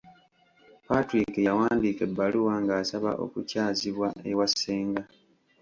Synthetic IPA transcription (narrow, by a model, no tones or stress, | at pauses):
patɾikejawaːndike̞bːaluwaŋɡaːsaβa̰ʔo̞̰kucaːziβwaʔewasːeːŋɡa